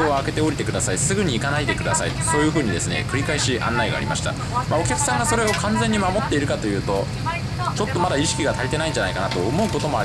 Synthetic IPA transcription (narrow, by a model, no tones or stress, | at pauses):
eoake̞t̪e̞o̞ɾit̪e̞kɯ̟d̪asaisɨɡɯ̟ɲ̟iːkanaid̪e̞kɯ̟d̪asaḭso̞ːjɯ̟ɸɯ̟ːɲ̟id̪e̞sɨne̞̰kɯ̟ɾʲikaiɕiʔã̰nːaiɡa̰ːɾʲḭmaɕi̥t̪a̰ | mao̞kʲakɯ̥sãŋɡaso̞ɾe̞o̞kãnzẽ̞ɲ̟ːimamo̞t̪ːe̞iɾɯ̟kat̪ojɯ̟ːt̪o̞ | t͡ɕo̞t̪ːo̞mad̪aiɕi̥kʲiɡat̪aɾʲit̪e̞naĩɲ̟d͡ʒanaikanat̪o̞ːmo̞ɯko̞t̪o̞mo̞a